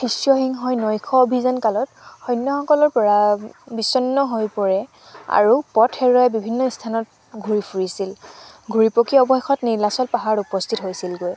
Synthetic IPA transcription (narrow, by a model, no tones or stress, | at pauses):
xʰisjɔhiŋɦɔjnɔjkʰɔbʱizankalɔthɔjnːɔxɔkɔlɔɹpɔɹabisɔnːɔɦojpɔɹɛ | a̰ɹupɔtʰɛɹɔɛbibʱinːɔistʰanɔt̚ | ɡʱuɹipʰuɹisil | ɡʱuɹipokiɔbɔxexʰɔtniɹlasɔlpaɦaɹupɔstʰitɦojsilɡoj